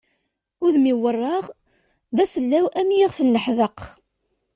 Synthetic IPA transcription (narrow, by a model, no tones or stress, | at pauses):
ʊðmiwərˤːɑʁ | ðæsəlːæwæmjiʁfənːəħðəq